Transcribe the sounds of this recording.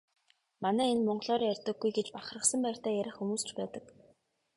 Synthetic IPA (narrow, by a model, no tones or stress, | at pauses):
manæːenmɔɴɢɮɔːrjærʲt̪ə̆ɡːujɡet͡ɕpaχrə̆sə̆mpæːr̥t̪æːjæɾʲɪ̆χxumuːst͡ɕpæːt̪ə̆k